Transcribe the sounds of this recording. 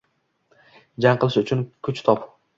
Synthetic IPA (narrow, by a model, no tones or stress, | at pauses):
d͡ʒaŋqʰɨlˠɪʃʊt͡ʃʰʊnkʲʰʊt͡ʃt̪ʰɒp